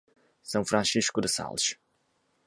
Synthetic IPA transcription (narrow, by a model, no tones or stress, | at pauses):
sɐ̃w̃fɾɐ̃siʃkʊd̪ɨsa̰lˠʃ